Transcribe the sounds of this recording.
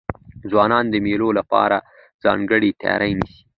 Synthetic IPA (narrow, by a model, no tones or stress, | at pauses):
zwɑnɑnd̪əmelolapɑ̰ɾa | z̥ɑ̰ŋɡəɽit̪a̰jɑ̰ɾʔajnisi̥